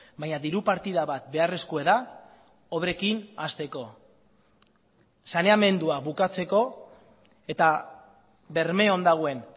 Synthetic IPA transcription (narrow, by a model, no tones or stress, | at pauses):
bajɲaðiɾupaɾt̪iðaβat̪̚be̞are̞skoe̞ða | o̞βɾe̞kinast̪e̞ko̞ | sane̞ame̞nd̪uaβukat͡se̞ko̞ | e̞t̪a | βe̞ɾme̞o̞nd̪aɣ̞oe̞n